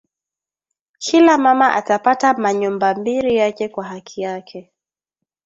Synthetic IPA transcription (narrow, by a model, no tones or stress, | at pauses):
kʰilamamaʔa̰tapatamaɲumbambiɾijakɛkwaɦakʰijakʰɛ